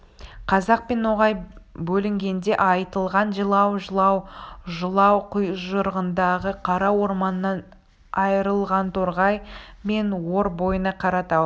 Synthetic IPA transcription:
qʰɑzɑq̚pe̞no̞ʁɑjbɵlɪŋɡʲe̞nd̪e̞ʔɑjt̪əlˠʁɑnʒəlˠɑwʒəlˠɑwʒəlˠɑwqʰəjʒəɾʁənd̪ɑʁəqʰɑɾɑwo̞ɾmɑnəːɑn | ɑjəɾəlˠʁɑnt̪ʰoɾʁɑjme̞nwo̞ɾbo̞jənɑqʰɑɾɑt̪ɑw

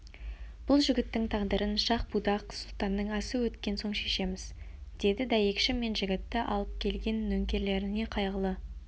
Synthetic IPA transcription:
b̥ʊlˠʒʏɡʲɪt̪ːɪŋt̪ʰɑʁd̪əɾʔənʃɑq̚bud̪ɑqsʊlˠt̪ɑnːəɴæsuwɵt̪kʲe̞nso̞ɴʃe̞ʃe̞mɪz̥ | d̪̥e̞d̪ɪd̪æje̞kʃɪme̞nʒɪɡʲɪt̪ːɪʔɑlˠəp̚kʲʰe̞lɡʲe̞nːɵŋkʲe̞ɾle̞ɾɪne̞qʰɑjʁəlˠə

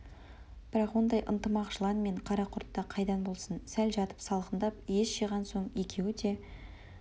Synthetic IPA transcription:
b̥ɪɾɑqwo̞nd̪ɑjʔə̰nt̪əmɑqʒ̥əlˠɑnme̞ɴqʰɑɾɑqʰʊɾt̪ːɑqʰɑjd̪ɑnbo̞lˠsənsælʒɑt̪ə̥psɑlˠqənd̪ɑpjesʃeʁɑnso̞ɴje̞kʲʰe̞wɪd̪e̞

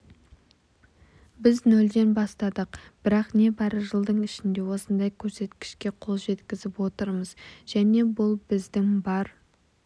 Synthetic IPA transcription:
bɪznɵld̪e̞nbɑst̪ɑd̪əqb̥ɪɾɑqne̞bɑɾəʒəlˠd̪əɴɪʃɪnd̪e̞wo̞sənd̪ɑjkʲʰɵɾse̞t̪kʲɪ̥ʃkʲe̞qʰo̞lˠʒe̞t̪kʲɪzɪpwo̞t̪əɾməzʒ̥æne̞bʊlˠbɪzd̪ɪŋbɑɾ

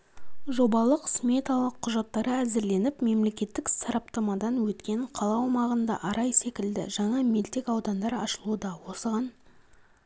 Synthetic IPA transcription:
ʒo̞bɑlˠəqsmʲe̞t̪ɑlˠəqʰːʊʒɑt̪ːɑɾəæzɪɾle̞nɪpme̞mle̞kʲe̞t̪ːɪksɑɾɑp̚t̪ɑmɑd̪ɑnwɵt̪kʲe̞ɴqʰɑlˠɑwwmɑʁənd̪ɑ̰ʔɑɾɑjse̞kʲɪld̪ɪ̰ʒɑɴɑmelt̪e̞kɑwd̪ɑnd̪ɑɾɑ̰ʃəlˠuəd̪ɑwo̞səʁɑn

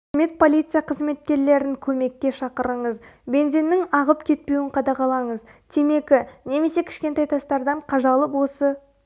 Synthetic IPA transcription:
me̞t̪̚pʰo̞lʲijt̪sɨjɑqʰəzme̞t̪̚kʲe̞ɾle̞ɾɪŋkʲʰɵme̞kʲːe̞ʃɑqəɾəɴəzbe̞nze̞nːɪŋɑʁəpkʲʰe̞t̪̚pe̞wɪɴqʰɑd̪ɑʁɑlˠɑɴəzt̪ʰe̞me̞kʲɪne̞me̞se̞kʲʰɪ̥ʃkʲe̞nt̪ɑjt̪ʰɑst̪ɑɾd̪ɑɴqʰɑʒɑlˠəpwo̞sə

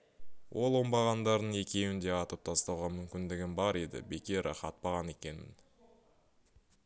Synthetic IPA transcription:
wʔo̞lˠo̞mbɑʁɑnd̪ɑɾd̪əɴe̞kʲe̞wɪnd̪e̞ɑt̪əp̚t̪ʰɑst̪ɑwʁɑmʏmkʲɪnd̪ɪɡʲɪnbɑɾe̞d̪ɪ̰be̞kʲe̞ɾʔɪ̰χɑt̪̚pɑʁɑne̞kʲe̞nɪ̰n

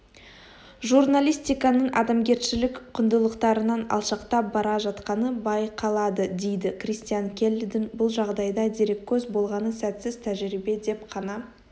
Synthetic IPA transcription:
ʒurnalʲijst̪ijkɑnəɴʔɑ̰d̪ɑmɡʲe̞ɾʃɪlɪkqʰʊnd̪əlˠəqt̪ɑɾənɑnɑ̰lˠʃɑqt̪ɑbɑɾɑʒɑt̪qɑnəbɑjqʰɑlˠɑd̪əd̪e̞jd̪ɪkrist̪ijaŋkʲʰe̞lʲːd̪ɪnbʊlˠʒɑʁd̪ɑjd̪ɑd̪eɾe̞kʲʰːɵzbo̞lˠʁɑnəsæt̪sɪz̥t̪ʰæʒɾibe̞d̪e̞pqʰɑnɑ

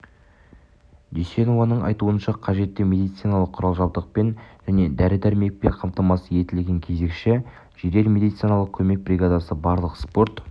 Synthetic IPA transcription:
d̪ijsenovɑnəɴʔɑ̰jt̪uənʃɑqʰɑʒe̞t̪ːɪmʲe̞d̪ijt̪sɨjnɑlˠəqʰːʊɾɑlˠʒɑbd̪əq̚penʒ̥æne̞d̪æɾɪd̪æɾme̞k̚peɴqʰɑmt̪ɑmɑsəje̞t̪ɪlɡʲe̞ŋkʲʰe̞ze̞kʃɪ | ʒ̥eɾe̞ɾme̞d̪ijt̪sɨjnɑlˠəq̚kʲʰɵme̞k̚bɾʲiɡad̪ɑsəbɑɾlˠəqspo̞ɾt̪

